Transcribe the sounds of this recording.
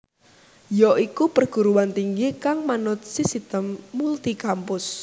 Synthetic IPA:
jɔʔikupərɡ̥ṳɾuwant̪iŋɡikaŋmanʊt̪̚sisit̪əmːult̪ikampʊs

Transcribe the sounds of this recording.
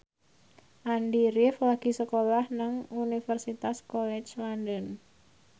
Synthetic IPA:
ʔandiɾɪflaɡ̥i̤səkolahnaŋunifərsit̪askɔlɛt͡ʃlandən

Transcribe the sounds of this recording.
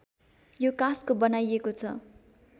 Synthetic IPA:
jokãskobʌnajekot͡sʰʌ̰

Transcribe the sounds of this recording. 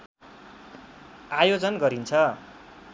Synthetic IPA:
ajod͡zʌnɡʌɾint͡sʰʌ

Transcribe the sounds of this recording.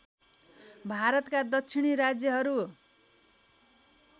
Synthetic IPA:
bʱaɾʌt̪kad̪ʌtt͡sʰiɽ̃iɾad͡zjʌɦʌɾu

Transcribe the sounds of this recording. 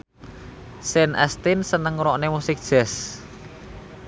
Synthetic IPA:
sɛnʔɛ̰st̪ɪnsənəŋɾɔʔnemusɪk̚d̥ʒ̥ɛs

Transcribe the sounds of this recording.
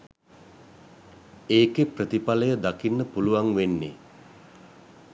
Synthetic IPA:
eːkeprət̪ipaləjəd̪akinːəpuluʋaŋʋenːe

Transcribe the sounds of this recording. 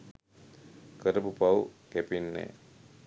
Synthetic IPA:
kəɾəpupawkɛpinːɛ̰

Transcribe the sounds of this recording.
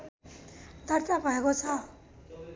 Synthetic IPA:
d̪ʱʌrt̪abʱʌekot͡sʰʌ

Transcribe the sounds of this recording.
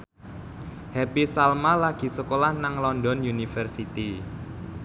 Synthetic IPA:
hɛpisalmalaɡ̥i̤səkolahnaŋlɔndɔnjunifərsit̪i

